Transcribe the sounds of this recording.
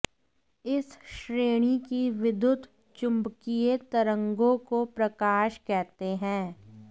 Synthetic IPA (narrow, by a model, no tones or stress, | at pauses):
ɪsʃɾeːɽ̃ikiʋɪd̪ʊd̪ | t͡ʃʊ̃mbkijet̪ɐɾə̃ŋɡõkopɾɐkaːʃkɛɦt̪eɦɛ̃ː